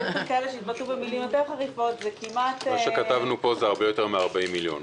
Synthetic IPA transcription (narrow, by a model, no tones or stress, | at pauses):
esenkaeleʃeit̪̚bat̪lubemilimjoteʁχaʁifo̞tzekimat̪maʃekat̪avnupo̞zeaʁbejot̪e̞ʁmeaʁbaimːiljo̞̰n